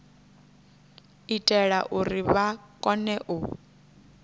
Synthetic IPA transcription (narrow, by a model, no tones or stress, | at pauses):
itʼɛɺaʔuriβakʼɔnɛʔu